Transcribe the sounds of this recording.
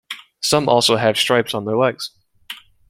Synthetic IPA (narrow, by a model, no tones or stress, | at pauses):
sʌ̃mʔɔ̰ˑlˠsoʊəv̥stɹ̥eɪpsn̩ðəwɛɡz̥